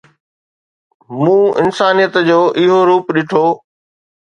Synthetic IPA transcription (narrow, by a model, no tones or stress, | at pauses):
mũːɪ̰nsaːnijət̪d͡ʑoːʔɪɦoɾuːpɗɪʈʰoː